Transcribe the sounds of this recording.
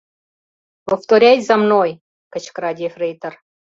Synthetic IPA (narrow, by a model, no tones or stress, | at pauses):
pə̆ft̪oɾʲætʲzɑmnoj | kə̆t͡ɕkɾɑdʲefrejt̪ə̆r